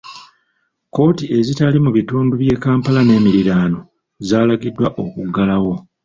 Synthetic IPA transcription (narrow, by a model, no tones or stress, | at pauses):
ko̞ːtie̞zitalimuβituːnduβje̞ːkaːmpalane̞ːmiɾiɾaːno̞ | zaːlaɡidːwaʔo̞kuɡalawo̞